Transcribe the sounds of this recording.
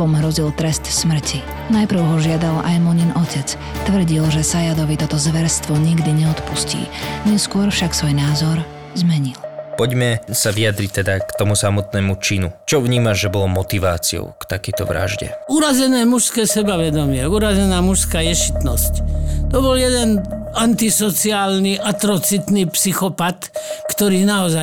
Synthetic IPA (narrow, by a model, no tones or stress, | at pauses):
ɔmɦɾɔzilt̪ɾɛst̪smr̩cʰi | najpɾr̩ʊɦɔʒɪad̪ala̰jmɔɲinʔɔcɛt͡s | t̪ʋr̩ɟilʒɛsajad̪ɔʋit̪ɔt̪ɔzʋɛɾst̪ʋɔɲiɡd̪iɲɛɔt̪puscḭːɲɛskʊɔɾfʃaksʋɔjnaːzɔɾ | zmɛɲilpɔɟmɛsaʋiad̪ɾic̚t̪ɛd̪akt̪ɔmusamɔt̪nɛːmut͡ʃinut͡ʃɔʋɲiːmaʒʒɛbɔlɔmɔt̪iʋaːt͡siɔ̰ʊkt̪akɛjt̪ɔ̰ʋɾa̰ʒɟɛ̰uːɾazɛnɛːmuʃskɛːsɛbaʋɛd̪ɔmɪɛuːɾazɛnaːmuʃskaːjɛʃi̥t̪nɔsct̪ɔbɔljɛd̪ɛnant̪isɔt͡siaːlniʔat̪ɾɔt͡sit̪nipsixɔpat̪kt̪ɔɾiːnaɔza